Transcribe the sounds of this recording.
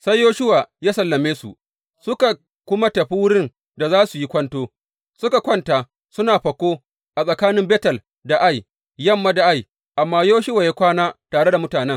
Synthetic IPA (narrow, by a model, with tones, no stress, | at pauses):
sa˦jːoː˦ʃʊ˦waː˨jaː˦sɐ˨lːɐ˨meː˦su˨ʔ | sʊ˦ka˨ | kʷʊ˦ma˦tɐ˨ɸi˦wʊ˦ɽɪ˦n | da˨zaː˦su˨ji˦kʷɐ˦ntoː˦ | sʊ˦ka˨kʷɐ˦˨nta˨ | sʊ˦naː˨ɸɐ˨kʷoː˦ | ʔa˨sʼɐ˨kaː˦nɪ˦mbeː˦tɐ˨l | da˨ʔa˦˨j | jɐ˦mːa˦da˨ʔa˦j | ʔa˨mːaː˦joː˦ʃʊ˦wa˨ja˦kʷaː˦naː˦taː˨ɽe˦da˨mʊ˦taː˨nɛ˦ŋ